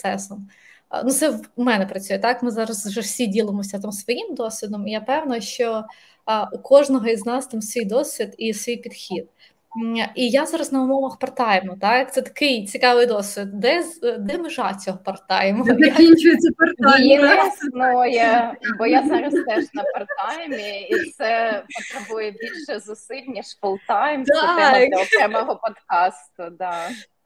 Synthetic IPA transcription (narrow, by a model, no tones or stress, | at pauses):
sɛsɔm | nut̪sɛwmɛnɛpɾɐt͡sʲujɛt̪ɑkmɪzɑɾɐzʒɛwsʲidʲilˠemɔsʲɐt̪amsʋɔjimd̪ɔsʲʋʲid̪ɔmijapɛwnɐʃt͡ʃɔ | ukɔʒnɔɦɔiznɑst̪ɑmsʋʲijd̪ɔsʲʋʲid̪isʋʲijpʲid̪xʲid̪̥̚ | ijazɑɾɐsnɐʊmɔʋɐxpɐrt̪ɑjemɔt̪ɑk̚t̪sɛt̪ɐ̥kɪjt͡sʲikɑʋɪjd̪ɔsʲʋʲid̪̚d̪ɛzd̪ɛmɪʒɑt͡sʲɔɦɔpɐrt̪ɑ̰jemɔɐinʲt͡ʃʊjɪt͡sʲɐpɐrjisnojɛbɔjazɑɾɐst̪ɛʒnɐpɐrt̪ɑjmʲiit̪sɛpɔt̪ɾebujɛbʲilʲʃɛzʊsɪlʲnʲiʃkɔlˠt̪ɑjmɐɛmlʲɐɔkɾɛmɔɦɔpɔt̪kɑst̪ʊd̪ɑ